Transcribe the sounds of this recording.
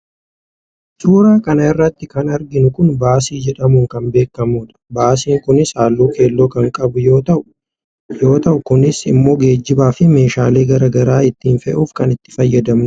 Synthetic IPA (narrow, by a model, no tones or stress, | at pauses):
suːɾaːkɐnɐɪrːɐt̪ːɪkɐnɐɾɡɪnʊkʊnbaːsiːd͡ʒɛᶑɐmʊŋkɐnbe̞ːkːɐmuːᶑɐ̥baːs̬iːŋkʊnɪsaːlːuːkʰe̞ːlːoːkɐŋkʼɐbʊjo̞ːt̪ɐʔʊ̥ | jo̞ːt̪ɐʔʊkʊnɪsɪ̰mːo̞ːɡe̞ːd͡ʒːɪbaːfɪme̞ːʃaːle̞ːɡɐɾɐɡɐɾaːɪt̪ːiːnfɛʔuːfkɐnɪt̪ːɪ̥fɐjːɐd̪ɐmnʊ